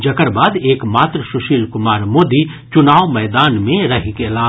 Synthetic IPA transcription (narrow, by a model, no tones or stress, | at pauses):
d͡ʒɐkəɾbaːd̪eːkmaːt̪ɾəʃʊʃiːlkʊmaːɾmoːd̪i | t͡ʃʊnaːʋmɛːd̪aːnmẽɾɐɦikelaː